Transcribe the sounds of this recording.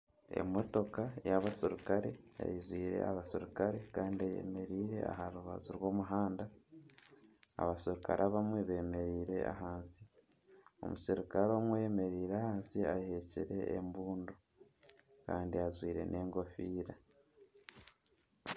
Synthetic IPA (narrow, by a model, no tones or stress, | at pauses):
e̞̰moto̞kajaβaseɾukaɾe̞ja̰jizwiːɾe̞̰a̰βaseɾukaɾe̞kaːndiajḛme̞ɾiːɾe̞̰a̰ɦaɾuβa̰zuɾwo̞ːmuɦaːnda | a̰βaseɾuka̰ɾʔaβamweβe̞ːme̞ɾiːɾe̞ʔa̰ɦaːnsi̥ | o̞̰museɾikaɾaβamwejeme̞ɾiːɾahaːnsiajheciɾe̞ːmbuːndo | kaːndiazwiːɾe̞̰nʔe̞ːŋɡo̞fiːɾa